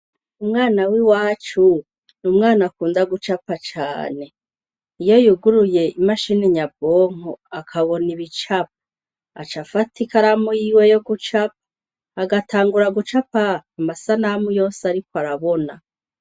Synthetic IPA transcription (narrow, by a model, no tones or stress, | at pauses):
umŋaːnawiwaːt͡ʃu | numŋaːnakuːndaɡut͡ʃapat͡ʃa̰ːne̞ | ijo̞juɡuɾuje̞imaʃiniɲabo̞ːŋ̥oakʰaβo̞niβit͡ʃap̚ | a̰t͡ʃafatʰikaɾamujiwejo̞ɡut͡ʃap̚ | aɡatʰaːŋɡuɾaɡut͡ʃapaːmasanamujo̞ːsaɾikoaɾaβona